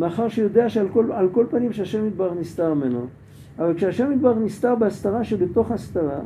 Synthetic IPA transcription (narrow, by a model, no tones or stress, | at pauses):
meaχaʁʃejo̞d̪eaʃeakoalko̞lpanimʃeaʃemid̪̚baʁenist̪aʁmeno | avalkʃeaʃemid̪̚baʁenist̪aʁbeast̪aʁaʃebet̪o̞χast̪aʁa